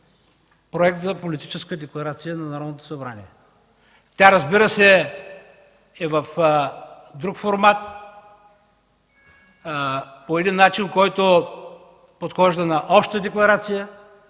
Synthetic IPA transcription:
pɾoɛk̚t̪zɐpolit̪it͡ʃɛskəd̪ɛklˠɐɾat̪sijənɐnɐɾɔd̪not̪o̥sɐbɾanḭɛ | t̪ʲjaɾɐzbiɾəsɛ | ɛvɐf | d̪ɾukfoɾmat̪ | poɛd̪inːat͡ʃinkɔjt̪o | pot̪xɔʒd̪ənɐʔɔpʃt̪t̪əd̪ɛklˠɐɾat̪sijə

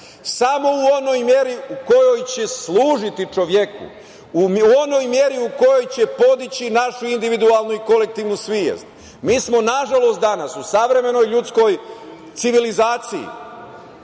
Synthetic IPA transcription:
samo̞uo̞no̞jmje̞ɾiuko̞jo̞jt͡ɕe̞slˠuːʒit̪it͡ʃo̞ʋjekṵ | uo̞no̞jmje̞ɾiuko̞jo̞jt͡ɕe̞po̞d̪it͡ɕinaʃuind̪iʋid̪ualˠnuiko̞le̞k̚t̪iːʋnusʋijḛzd̪ | miːsmo̞naʒalo̞st̪d̪anasusaʋɾe̞me̞no̞jʎut̪sko̞jt̪siʋilizaːt̪siḭ

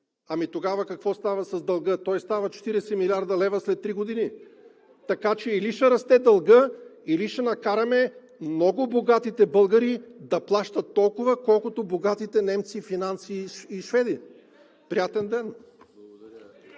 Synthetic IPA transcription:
ɐmit̪oɡavɐkɐkvɔst̪avɐsɐzd̪ɐlˠɡɤt̪ɔjst̪avɐt͡ʃɛ̥t̪iɾɛsɛmilʲiaɾd̪ɐlɛvɐslɛt̪ːɾiɡod̪ini | t̪ɐkat͡ʃɛiliʃɛɾɐst̪ɛd̪ɐlˠɡɤiliʃɛnɐkaɾɐmɛ | mnɔɡʊboɡat̪it̪ɛbɤlˠɡɐɾid̪ɐplˠaʃt̪ɐt̪ːɔlˠkʊvɐkɔlˠkʊt̪oboɡat̪it̪ɛnɛmt̪sifinant̪siːʃvɛd̪i | pɾijat̪ɛnd̪ɛn

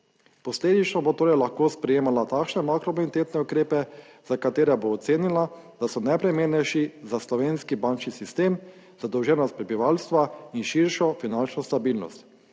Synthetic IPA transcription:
pɔsleːd̪it͡ʃnɔbot̪oːɾɛjlaxkoːspɾɛjeːmalat̪akʃnɛmakɾɔminit̪eːt̪nɛukɾeːpɛzakat̪eːɾɛboːt̪seːnila | d̪asɔnɛjpɾɛmeːɾnɛjʃizaslɔʋeːnskibant͡ʃnisist̪eːm | zad̪ɔwʒɛnɔst̪̚pɾɛbiʋalst̪ʋainʃiɾʃɔfinant͡ʃnɔst̪abiːlnɔ̰st̪

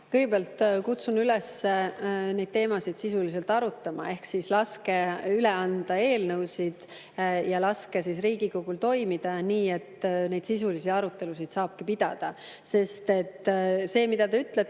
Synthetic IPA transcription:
kɤjɡebeɑlt̪kut̪sunylɛsːene̞d̪̚t̪e̞ːmɑsid̪̥sisulise̞lt̪ˑɑɾut̪ːˑɑmɑ̰e̞hksislɑske̞yleɑnd̪̥ɑe̞ːlnɤwsid̪̥ | jɑlɑske̞sisriːɡ̥ikoɡ̥ult̪o̞jmid̪̥ɑniːe̞t̪ne̞jd̪̥sisulisid̪ɑɾut̪ːˑe̞lusid̪̥sɑːb̥̚kipid̪̥ɑ̰d̪̥ɑ | se̞st̪e̞t̪ːse̞ːmid̪̥ɑt̪eyt̪ːˑle

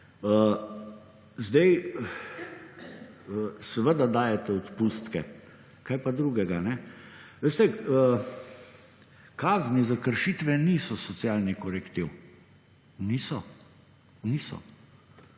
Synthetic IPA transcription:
ə | zd̪ɛj | sɛʋəd̪ad̪aːjɛt̪ɛɔt̪pust̪kɛ̰ | kajpad̪ɾuɡɛɡanɛʋeːst̪ɛə | kaːznizakəɾʃit̪ʋɛniːsɔsɔt̪sjaːlnikɔɾɛkt̪iw | nisɔ | nisɔ̰

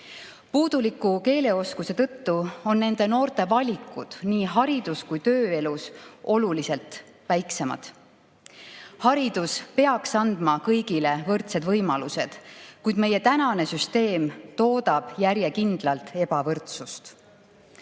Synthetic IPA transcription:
puːd̪̥ulikːˑuke̞ːle̞o̞skuse̞t̪ɤ̞t̪ːuo̞nːe̞nd̪̥e̞no̞ːɾt̪e̞vɑlʲikːˑud̪̥niːɦɑɾid̪̥uskujt̪ø̞ːe̞luso̞lulise̞lt̪ | væjkse̞mɑ̰d̪̥ | hɑɾid̪̥uspe̞ɑksɑnd̪̥mɑkɤjɡile̞vɤrt̪se̞d̪vɤjmɑluse̞d̪̥kujd̪me̞je̞t̪ænɑne̞syst̪e̞ːmt̪o̞ːd̪ɑb̥jæɾjekind̪̥lɑlt̪ˑe̞bɑvɤrt̪sust̪

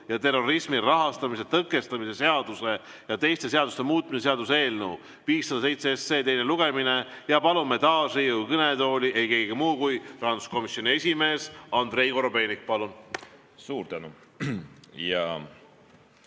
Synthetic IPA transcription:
jɑt̪e̞rːo̞ɾismirɑɦɑst̪ɑmise̞t̪ɤkːˑe̞st̪ɑmise̞se̞ɑd̪use̞ | jɑt̪e̞jst̪e̞se̞ɑd̪ust̪e̞muːt̪̚ːmiseseɑd̪use̞ːlnəw | viːsːɑd̪ɑsejt̪seesːe̞ːt̪e̞jne̞luɡ̥e̞mine̞jɑpɑlume̞t̪ɑːsriujkɤne̞t̪o̞ːlʲiʔe̞jke̞ɡimuːkujrɑhɑnd̪u̥sko̞misːjo̞nie̞sʲime̞ːsɑnd̪ɾe̞jko̞ɾobe̞ːnik̚pɑlun | suːɾt̪ænṵ | jɑ̰

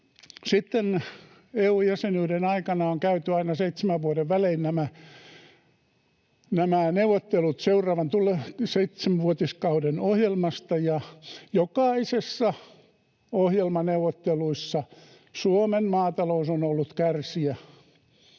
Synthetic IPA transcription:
sit̪ːen | eːuːjæsenyːɾenɑikɑnɑoŋkæyt̪yɑinɑseit̪semæʋʋuoɾeʋʋæleinnæmæ | næmæneuʋˑot̪ːelut̪seurˑɑːʋɑnt̪uleseit̪semæʋuot̪iskɑudenohjelmɑst̪ɑjɑjokɑisesːɑ | ohjelmɑneuʋˑot̪ːeluisːɑ | suomenmɑːt̪ɑlousonolːut̪kærsiæ

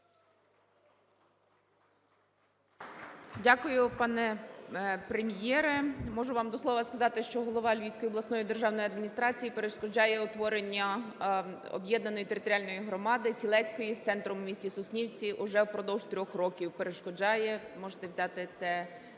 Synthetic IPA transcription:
dʲakʊjʊpɑnɛ | pɾemʲjɛɾɛmɔʒʊʋɑmd̪ɔslˠɔʋɐskɐzɑt̪ɪʃt͡ʃɔɦɔlˠɔʋɑlʲʋʲijsʲkɔjiɔb̪ˠɐsnɔjid̪e̞rʒɑwnɔjiɐd̪mʲinʲist̪ɾɑt͡sʲijipeɾeʃkɔd͡ʒɑjɛɔt̪ʋɔɾenʲːɐ | ɔ̰bjɛd̪nɐnɔjit̪eɾɪt̪ɔɾʲɪalʲnɔjiɦɾɔmɑd̪ɪsʲilˠɛsʲkɔjist̪sɛnt̪ɾʊmʊmʲisʲtʲisʊsʲnʲiwt͡sʲiʔʊʒɛwpɾɔd̪ɔwʒt̪ɾʲɔxrɔkʲiwpeɾeʃkɔd͡ʒɑjɛmɔʒet̪ɛwzʲɑt̪ɪt̪sɛ

